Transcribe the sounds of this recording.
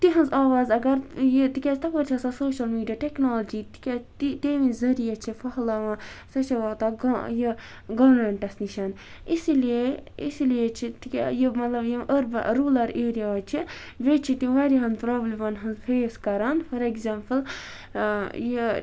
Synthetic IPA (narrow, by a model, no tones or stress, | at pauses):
t̪iɦɐnzaːʋaːzɐɡɐɾjit̪ikʲast̪ɐpɐɾt͡ʃʰɐsasoːʃɐlmiːɖijaʈeknoːlɐd͡ʒit̪i̥kʲat̪it̪eːʋĩnzɐɾijat͡ʃʰifʰɐɦlaːʋɐ̃sɐt͡ʃʰɐʋaːt̪aɡji | ɡɐʋɐɾmeɳʈɐsniʃaːn | isilijeḭsilijet͡ʃʰit̪ikʲːjimɐt̪lɐbjiʔəɾbɾuːlɐɾeːɾijaɐt͡ʃʰi | ʋet͡ʃʰit̪iʋaɾiɦɐnpɾoːblimɐnɦɐnzfeːskɐɾanfɐɾeɡzaːmpəl | ji